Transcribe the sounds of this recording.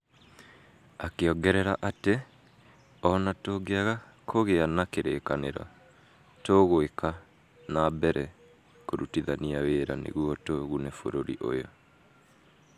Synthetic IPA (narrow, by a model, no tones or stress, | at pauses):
akeɔɡɛɾɛɾaʔate | ɔnatoɡeaɣa | kʰoɣeanakeɾeːkaneɾɔ̰ | toɣoeka | nabɛɾɛ | koɾutiðaniaweːɾanḛɣuɔtoɣunɛfo̰ɾoɾḭʔo̰jɔ